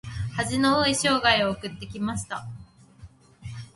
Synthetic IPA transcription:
haʑino̞oiɕo̞ːɡaio̞ːkɯ̟t̪ːe̞kʲimaɕi̥t̪a

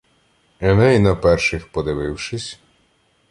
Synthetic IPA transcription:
ɛnɛjnɐpɛrʃɪxpɔd̪ɪʋɪwʃɪsʲ

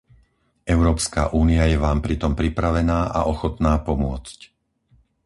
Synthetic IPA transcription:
ʔɛʊɾɔːpska̰ʔuːniajɛʋaːmpɾit̪ɔmpɾipɾaʋɛnaːʔa̰ʔɔxɔt̪naːpɔmʊɔt͡sc

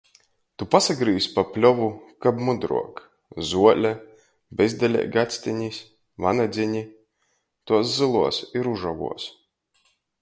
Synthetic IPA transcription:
t̪upasaɡɾiːspapʲlʲɔvukabmud̪ɾṵɔk | zuɔlʲa | bʲɛzd̪alʲɛ̰ːɡat̪sʲt̪ʲiɲʲisʲ | vanad̪zʲiɲʲi | t̪uɔszɨlˠuɔsiɾuʒavṵɔs

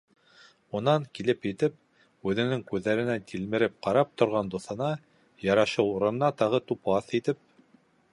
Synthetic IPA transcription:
unɑŋkilɘpjɘ̆t̪ɘp̚ | ʉðɘ̆nɘŋkʉðːæɾɘ̆næt̪ʰʲilmɘ̆ɾɘp̚qɑɾɑp̚t̪ŏɾʁɑnd̪uθɤ̆nɑ | jɑɾɑʃɤuɾɤ̆nnɑt̪ɑʁɤt̪upɑθit̪ɘp̚

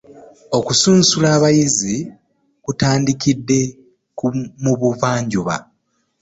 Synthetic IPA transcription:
o̞kusuːnsulaːβajizi | kutaːndikidːe̞ | kumuβuvaːɲɟuβa̰

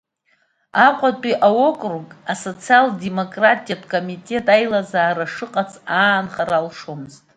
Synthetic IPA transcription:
aqʷʼatʼiʔawo̞kʼrukʼaso̞t͡sʰialde̞mo̞kʼratʼijatʰkʼo̞mitʼe̞tʼajlazaːɾaʂɨqʼat͡sʰʼaːnχaɾalʂomɨztʼ

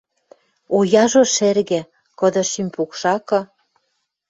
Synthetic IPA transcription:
ojɑʒoʃerɣĕ | kɤ̆d̪ɤ̆ʃimʲpukʃɑkɤ̆

